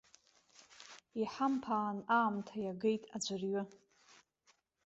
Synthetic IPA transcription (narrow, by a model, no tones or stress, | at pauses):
iħampʰaːnaːmtʰajaɡejtʼad͡ʒʷɨrɥʊ